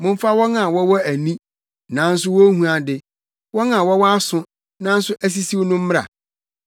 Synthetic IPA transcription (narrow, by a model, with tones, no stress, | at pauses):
mʊ̃˦m̩˦fa˦wɔ˦ŋã˨wɔ˦wɔ˦æ˨nĩ˦ | nã˨˦n̩˦s̬ʊ˦wɔ˦hũ˦ã˨dɪ˦ | wɔ˦ŋã˨wɔ˦wɔ˦a˦sʊ̃˦ | nã˦n̩˦sʊ˦ʔæ˦s̬i˦si˦wo˦nʊ̃˦m̩˦m˦ɾa̰˨